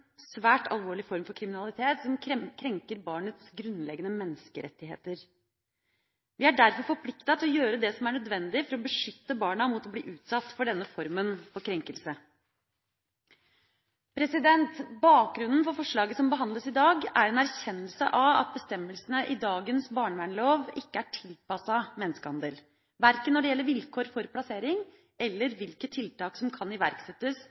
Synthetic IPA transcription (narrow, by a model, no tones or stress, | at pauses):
sʋæːʈɑ̰lˠʋoːɭɪfɔɾmfɔɾkʰɾɪmɪnɑlˠɪt̪ʰeːt̪sɔmkʰɛkʰɾɛŋkəɾbɑːɳət̪sɡɾʉnlɛɡənəmɛnːəskəɾʔɛ̰t̪ːɪɦḛːt̪əɾ | ʋɪæɖæɾfɔɾfɔɾpʰlɪkt̪ɑt̪ʰɪlɔjøːɾəd̪ɛsɔmæɳœd̪ʋɛnd̪ɪfɔɾɔbəʂʏt̪ːəbɑːɳəmut̪ɔblḭːʔʉːt̪sɑt̪ːfɔɖɛnːəfɔɾmənfɔɾkʰɾɛŋkəlsə | pʰɾɛsɪd̪ɛnt̪bɑːk̚ɡɾʉnn̩fɔɾfɔʂɭɑːɡəsɔmbəɦɑnd̪ləsɪd̪ɑːɡæɾɛnæɾçɛnːəlsə̰ʔɑʋɑ̰t̪̚bəst̪ɛmːəlsənəʔɪd̪ɑːɡənsbɑːɳʋæɳloːʋɪkːəæʈʰɪlpɑsɑmɛnəskəhɑnd̪əl | ʋæɾkənːɔɖɛjɛlːəɾʋɪlkʰoːɾfɔɾpʰlɑseːɾɪŋ | ɛlːəɾʋɪlkət̪ʰɪlt̪ɑːksɔmkʰɑnɪʋæɾksɛt̪ːəs